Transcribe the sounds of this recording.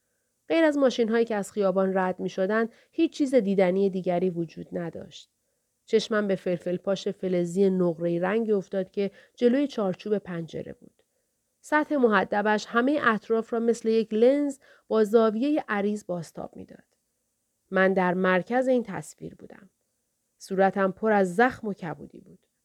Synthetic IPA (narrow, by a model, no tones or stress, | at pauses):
ɢ̥e̞jɾæzmɒːʃinɦɒːjiːcʰeæz̥χijɒːbɒːnræd̪miːʃod̪ænd̪ | hiːt͡ʃʰt͡ʃːʰiːze̞d̪iːd̪ænije̞d̪iːɟæɾiːvod͡ʒuːd̪̥næd̪ɒ̰ːʃt̪̚ | t͡ʃʰe̞ʃmæmbe̞felfelpʰɒːʃe̞fe̞le̞zijenoɣɾe̞iɾæŋɟio̞ft̪ɒːd̪̥̚cʰe̞d͡ʒe̞loːjet͡ʃʰɒːɾt͡ʃʰuːbe̞pʰænd͡ʒe̞̰ɾe̞̰bṵːd̪̥ | sæt̪he̞moɦæd̪ːæbæʃhæme̞jeʔæt̪ʰɾɒːfɾɒːme̞sle̞je̞cʰle̞nz | b̥ɒːzɒːvije̞je̞ʔæɾiːzbɒːst̪ʰɒ̰ːb̥̚mḭːd̪̥ɒ̰ːd̪̥ː | ænd̪æɾmæɾcʰæze̞iːnt̪ʰæ̰svḭːɾbṵːd̪æ̰m | suːɾæt̪ʰæmpʰo̞ɾæzːæxmo̞cʰæbṵːd̪ḭbuːd̪̥